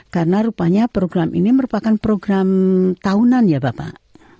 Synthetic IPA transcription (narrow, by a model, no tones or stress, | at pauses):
karənaɾupaɲapɾoɡɾamḭniməɾupakanpɾoɡɾamt̪aunanjabapa̰ʔ